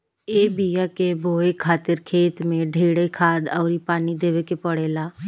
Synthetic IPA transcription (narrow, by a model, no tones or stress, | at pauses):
eːbijakebʱoːekʰaːt̪ɪɾkʰeːt̪mẽɖʱeːɽekʰaːd̪ɔːɾipaːnid̪eːʋekepəɽeːlaː